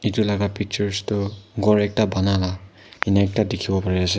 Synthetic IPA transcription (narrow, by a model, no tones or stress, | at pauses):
itulaɡapik̚t͡ʃɔɹstɔɡɔɹɛk̚tabanala | inak̚tadikʰibɔpaɹiase